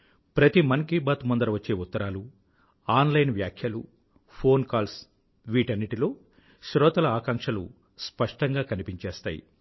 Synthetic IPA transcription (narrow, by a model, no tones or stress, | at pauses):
pɾɐt̪imɐŋkibaːt̪mɐnd̪ɐɾɐʋɐt͡ʃːe̞ːut̪ːɐɾaːlu | aːnlɐjnʋjaːkʰjɐlu | pʰo̞ːnkaːls | ʋiːʈɐnːiʈilo̞ː | ʃɾɔːt̪ɐlɐaːkɐŋʂɐlṵ | spɐʂʈɐŋɡaːkɐnipiɲt͡ʃeːst̪a̰ːjḭ